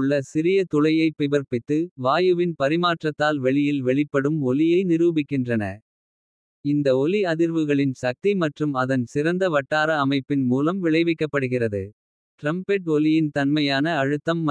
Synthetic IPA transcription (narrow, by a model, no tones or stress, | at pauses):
ʊɭːɐsɪɾɪjɐt̪ʊlɐjɐɪpːɪbɐɾpɪt̪ːɯʋaːjɯʋɪnpɐɾɪmaːʈrɐt̪ːaːlʋɛɭɪjɪlʋɛɭɪpːɐɽɯmɔlɪjɐɪnɪɾuːbɪkːɪndrɐnɐ̰ | ɪnd̪ɐɔlɪɐðɪɾʋɯɣɐɭɪnsɐk̚t̪imɐʈrɯmɐðɐnsɪɾɐnd̪ɐʋɐʈːaːɾɐːmɐɪpːɪnmuːlɐmʋɪɭɐɪʋɪkːɐpːɐɽɯɣɪrɐðɯ | ʈɾɐmpɛʈɔlɪjɪnt̪ɐnmɐjaːnɐːɻɯt̪ːɐmː